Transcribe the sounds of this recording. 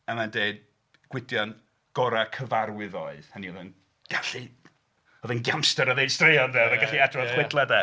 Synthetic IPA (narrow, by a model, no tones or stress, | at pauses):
əmandeɨd | ɡ̥wɪdjɔn | ɡ̥ɔɾakʰəvaɾwɪðɔɨðhəniɔðɛn | ɡ̥aɬi | ɔðɨnɡjamstəɾəðejd̥streɔnvɛðaɡaɬiadrɔ̥χwɪdlˠadɛ